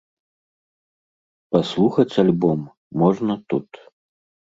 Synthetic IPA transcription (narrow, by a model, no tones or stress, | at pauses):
paslˠuxɐt͡sʲalʲbɔmː | ɔʐnɐt̪ut̪